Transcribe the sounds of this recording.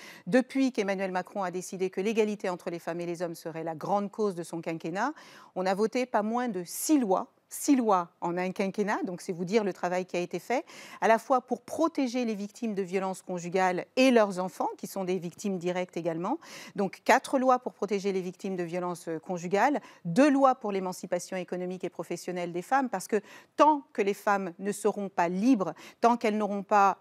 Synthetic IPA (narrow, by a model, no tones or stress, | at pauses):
d̪əpɥikemanɥɛlmakχɔ̃ad̪esid̪ekəleɡalit̪eɑ̃t̪χəlefamelezɔmsəʁɛlaɡʁɑ̃d̪kozd̪əsɔ̃kɛ̃kʲenaɔ̃navot̪epamwɛ̃d̪əsilwa | silwaɑ̃nɛ̃kʲɛ̃kʲenad̪ɔ̃ksɛvud̪iʁlət̪χavajkʲiaet̪efɛalafwapuʁpχɔt̪eʒelevik̚t̪ʰimd̪əvjɔlɑ̃skɔ̃ʒyɡʲalelœʁzɑ̃fɑ̃kʲisɔ̃d̪evikt̪imd̪iʁɛk̚t̪eɡalmɑ̃d̪ɔ̃kːat̪χəlwapuʁpχɔt̪eʒelevik̚t̪imd̪əvjɔlɑ̃skɔ̃ʒyɡʲald̪ølwapuʁlemɑ̃sipasjɔ̃ekɔnɔmikepχɔfɛsjɔnɛld̪efampaʁsə̥kət̪ɑ̃kəlefamnəsəʁɔ̃palibʁt̪ɑ̃kɛlnɔʁɔ̃pa